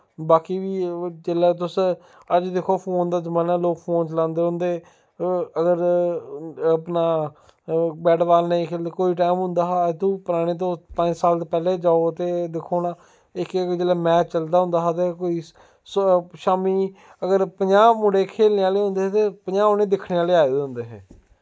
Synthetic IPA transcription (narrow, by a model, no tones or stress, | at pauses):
baːkiːʋiːt͡ʃelaːt̪̬ʊs | əd͡ʒd̪ekʰoːpʰoːnd̪aːzəmaːnaːloːkpʰoːnt͡ʃlãːnd̪eːɦʊ̃nd̪eː | əɡəɾ | pnaː | bɛːʈʋaːlnəĩkʰeld̪eːkoːiːʈ̬aːmɦʊ̃nd̪aːɦaːt̪ũːpəɾaːɽ̃eːt̪̬õːpə̃ɲd͡ʒsaːlt̪eːpɛːleːd͡ʒaːot̪eːd̪ɪkʰːoːnaː | ɪkd͡ʒeːlaːmɛːt͡ʃt͡ʃəld̪aːɦʊ̃nd̪aːɦaːt̪̬eːkoːiː | sʃaːmiː | əɡəɾpəɲãːmʊɽeːkʰeːlneːaːleːɦʊ̃nd̪eːɦet̪eːpəɲãːonẽːd̪ɪkʰneːaːleːaːed̪eːɦʊ̃nd̪eːɦɛː